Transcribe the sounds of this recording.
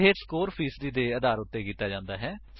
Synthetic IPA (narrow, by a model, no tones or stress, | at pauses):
ɦeːskoːɾpʰiːsd̪iːd̪eːəd̪aːɾʊt̪ːeːkiːt̪aːd͡ʒãːnd̪aːɦɛːs